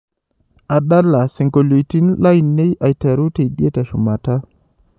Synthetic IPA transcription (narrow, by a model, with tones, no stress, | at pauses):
a˨da˦la˨sɪ˨ŋko˨lo˨i˨ti˦nla˦i˨nːe˦jʔa˨i˨ta˨ɾu˦te˨i˨de˦ta˨ʃu˨ma˨ta˦